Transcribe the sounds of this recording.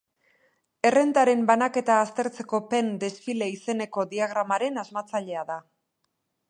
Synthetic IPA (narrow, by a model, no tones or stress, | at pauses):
e̞re̞nt̪aɾe̞mbanake̞t̪aːst̪e̞ɾt͡se̞ko̞pe̞nd̪e̞sfile̞ise̞ne̞ko̞ðiaɣ̞ɾamaɾe̞nazmat͡saʎe̞aða